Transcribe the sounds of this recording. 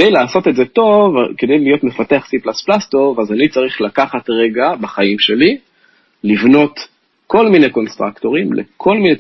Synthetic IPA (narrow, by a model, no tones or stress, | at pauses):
dejlaːso̞t̪e̞tzeto̞va̰ke̞d̪e̞jlijo̞tme̞fateaχsiplasplast̪o̞vazanit͡saʁiχlakaχatʁe̞ɡabaχaimʃe̞li | livno̞t̪ | ko̞lmineko̞nst̪ʁakto̞ʁimlḛkʰo̞lmine